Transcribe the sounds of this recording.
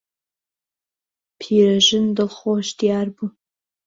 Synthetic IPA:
pʰiɾaʒɪndɨlχoʃtʰjarbu

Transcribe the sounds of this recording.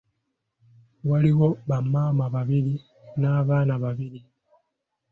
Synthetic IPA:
waliwɔbamamaβaβili | naβanaβaβili

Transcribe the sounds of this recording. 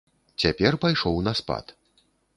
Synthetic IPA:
t͡sʲapʲɛrpajʂɔwnɐspa̰t̪

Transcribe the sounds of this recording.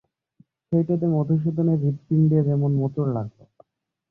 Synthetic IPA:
ʃejʈat̪emɔd̪ʱoʃ̬od̪ʱoneɾipt̪ind̪eɾɛmonmɔt̪oɾlaɡ̚lo̰

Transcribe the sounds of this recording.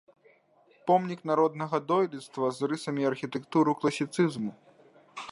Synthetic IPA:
pɔmnʲiknaɾɔd̪nɐɣɐd̪ɔjlʲit̪st̪vɐzrɨsɐmʲiɐrxʲit̪ɛkt̪uɾɨklˠɐsʲit̪sɨzmu

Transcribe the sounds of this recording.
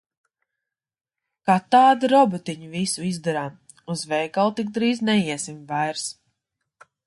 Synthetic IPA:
kat̪aːd̪iɾɔbɔt̪iɲuvisuizd̪ɔɾam | uzvɛjkalˠt̪ik̚d̪ɾiːznɛjiɛsimvajɾs

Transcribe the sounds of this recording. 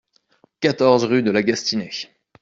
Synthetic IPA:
kat̪ɔʁzʁyd̪əlaɡast̪inɛ

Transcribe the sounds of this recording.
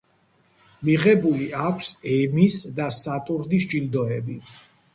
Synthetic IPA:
miʁɛbuliakʷʰsɛmisd̪asat̪ʼuɾd̪isd͡ʒild̪ɔɛbi

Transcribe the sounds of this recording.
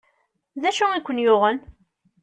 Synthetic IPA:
ðæʃʊikʷːənjʊʁən

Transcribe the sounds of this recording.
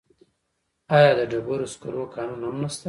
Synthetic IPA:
ɑjɑd̪əɖabaɾoskʊ̰ɾʔokɑnunhamnast̪a

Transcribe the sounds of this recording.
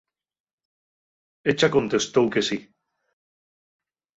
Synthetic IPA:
et͡ʃakõ̞nt̪est̪owkesi

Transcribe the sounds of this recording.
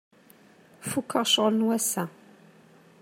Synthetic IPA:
fukʰːəʁʃəʁlənwæsæ

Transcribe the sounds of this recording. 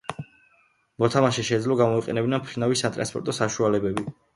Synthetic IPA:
mɔt̪ʰamaʃɛʃɛd̪zlɔɡamɔiqʼɛ̰nɛbinampʰɾinavisat̪ʼɾa̰nspʼɔɾt̪ʼɔsaʃualɛbɛbi

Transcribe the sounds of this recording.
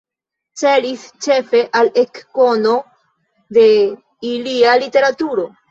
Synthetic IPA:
t͡se̞list͡ʃe̞fe̞ʔalekːo̞no̞ | de̞ | ilialite̞ɾatuɾo̞

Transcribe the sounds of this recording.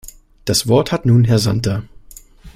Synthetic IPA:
d̥asv̥ɔɐthatnuːnɦɛɐzantɐ

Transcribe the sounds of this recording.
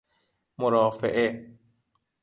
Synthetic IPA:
moɾɔːfḛʔe

